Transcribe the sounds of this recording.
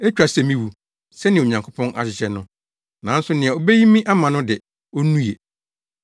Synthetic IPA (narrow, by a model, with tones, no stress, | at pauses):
ɛ˦t͡ɕᶣɾa˨sɛ˨mĩ˨wu˨ | sɛ˦nɪ̃˨o˨ɲã˨ŋkʰo˦pʰɔ̃˦na̰˨ɕɪ˨ɕɛ˨nʊ̃˦ | nã˨˦n̩˦sʊ˦nɪ̃˨ɛ˨o˨bɛ˦ji˦mĩ˦ʔa˦mã˨nʊ̃˦dɪ˨ | o˦nũ˦je˨